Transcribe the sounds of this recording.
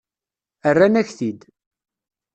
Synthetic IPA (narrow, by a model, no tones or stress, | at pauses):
ərːænæçθid̪